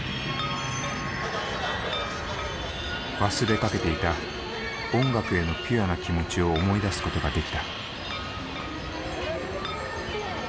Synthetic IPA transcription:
βasɨɾe̞kake̞t̪e̞it̪a | õ̞ŋɡakɯ̟e̞no̞pʲianakʲimo̞t͡ɕio̞ːmo̞id̪asɨ̥ko̞t̪o̞ɡad̪e̞kʲi̥t̪a

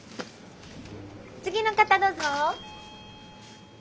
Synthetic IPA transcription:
t͡sɨɡʲinokat̪ad̪oːzo

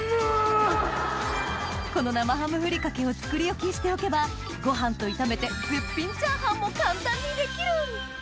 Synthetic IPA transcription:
ko̞no̞namaɦamɯ̟ɸɯ̟ɾʲikake̞o̞t͡sɨ̥kɯ̟ɾʲijo̞kʲiɕi̥t̪e̞o̞ke̞ba | ɡ̥o̞ɦãnt̪o̞it̪ame̞t̪e̞hɯ̟pʲːĩɲ̟t͡ɕãɰ̃ɦãmːo̞kãnt̪ãɲ̟ːid̪e̞kʲiɾɯ̟

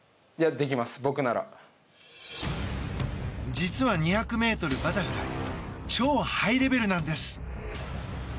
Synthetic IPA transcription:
jad̪e̞k̬ʲimasɨ̥bo̞kɯ̟naɾa̰ | d͡ʑit͡sɨβaɲ̟içakɯ̟me̞ːt̪o̞ɾɯ̟bat̪aɸɯ̟ɾa̰t͡ɕo̞ːhaiɾe̞be̞ɾɯnãnd̪e̞sɨ̥

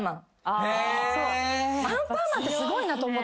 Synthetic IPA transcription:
mãŋ | asoːãmpaːmãnt̪esɨɡo̞inat̪o̞ːmo̞t̪

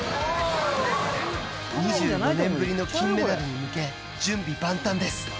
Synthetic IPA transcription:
ɲ̟iʑɨːonẽ̞mbɯ̟ɾʲino̞kʲĩnːed̪aɾɯɲ̟imɯ̟ke̞ | d͡ʑɨ̃mbʲibãnt̪ãnd̪e̞sɨ̥

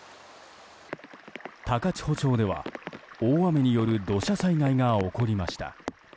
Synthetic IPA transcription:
t̪akat͡ɕi̥ho̞t͡ɕo̞ːd̪e̞βa̰oːame̞ɲ̟ijo̞ɾɯ̟d̪o̞ɕasaiŋaiŋao̞ko̞ɾʲimaɕi̥t̪ʰa̰

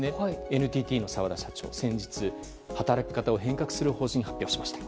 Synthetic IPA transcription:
neenɯ̟t̪ʲiːt̪ʲiːno̞saβad̪aɕat͡ɕo̞̰ːsẽ̞ɲ̟d͡ʑit͡sɨ | hat̪aɾakʲi̥kat̪ao̞ɦẽ̞ŋkakɯ̟̥sɨɾɯ̟ho̞ːɕĩɲ̟ĩɦapʲjo̞ːɕimaɕi̥t̪ḁ

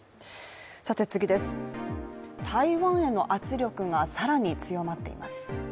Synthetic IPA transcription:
sat̪e̞t͡sɨɡʲid̪e̞sɨ̥ | t̪ʰaiβãɰ̃e̞nːo̞ʔat͡sɨɾʲo̞kɯ̟ŋasaɾaɲ̟it͡sɨjo̞mat̪ːe̞̰ḭmasɨ̥

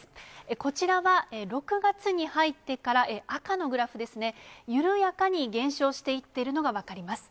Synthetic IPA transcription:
eko̞t͡ɕiɾaβaeɾo̞kɯ̟ɡat͡sɨɲ̟ihait̪ːe̞kaɾaʔeakano̞ɡɯ̟ɾaɸɯ̟d̪e̞sɨne̞jɯ̟ɾɯ̟jakaɲ̟iɡẽ̞ɰ̃ɕo̞ːɕi̥t̪e̞it̪ːe̞ɾɯ̟no̞ɡaβakaɾʲimasɨ̥

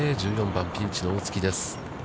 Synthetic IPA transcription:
eːʑɨːjõ̞mbãmpʲĩɲ̟t͡ɕinooːt͡sɨ̥kʲid̪e̞sɨ̥

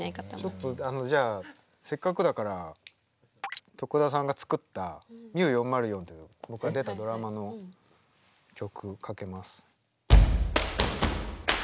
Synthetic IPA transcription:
t͡ɕot̪ːoano̞d͡ʑaː | se̞kːakɯ̟d̪akaɾa | t̪o̞kɯ̟d̪as̬ãŋɡat͡sɨ̥kɯ̟t̪ːamʲiɯjõ̞mːaɾɯ̟jõ̞ːnt̪ːejɯbo̞kɯ̟ɡad̪e̞t̪ad̪o̞ɾamano̞ | kʲo̞kɯ̟kʰake̞masɨ̥

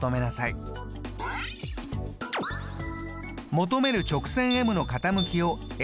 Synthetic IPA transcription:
t̪o̞me̞nasai | mo̞t̪o̞me̞ɾɯ̟t͡ɕo̞kɯ̟̥sẽ̞ɰ̃e̞mɯ̟no̞kat̪amɯ̟kʲio̞ | e

